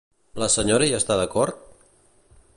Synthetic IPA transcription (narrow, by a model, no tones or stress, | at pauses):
ləsəɲoɾəiast̪aðəkɔɾt̪̚